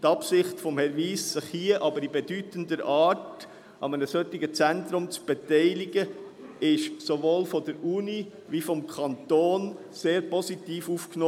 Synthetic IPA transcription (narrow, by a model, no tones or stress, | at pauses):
tɑpsɪχtfɔmhɛɾviːsːɪχhiəʔɑbəɾibɛd̥ytəndəɾɑːt | ʔɑ̰mənəsœtːɪɡət͡sænt̪ɾʊmt͡sb̥ɛtɛɪlɪɡə | ɪʃsovoːlfɔdəɾuni | vifɔmkʰɑnt̪oːn | seːɾpɔsit̪iːfuːfknoː